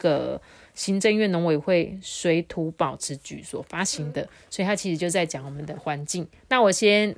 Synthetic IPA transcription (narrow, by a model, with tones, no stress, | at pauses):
ɡə˨ | ɕi˥nʈ͡ʂə˥˧ŋɥɛ˥˩no˧˥ŋwe˨ɪxwe˥˩ɪswe˧˥ɪt̪ʰu˧˥pɑ˨˩ʊʈ͡ʂʰɻ̩˧˥t͡ɕy̰˨˩swɔ˨˩fa˦ɕi˧˥ŋd̪ə˨swɔ˧˥i˨t̪ʰa˥t͡ɕʰi˧˥ʂɻ̩˧t͡ɕjo˥˧t͡sa˥˩ɪt͡ɕjɑ˨˩ŋwɔ˨˩mə˨nd̪ə˨˩xwa˧˦nt͡ɕi˥˨ŋ | na˥˨wɔ˨˩ɕjɛ˦˥n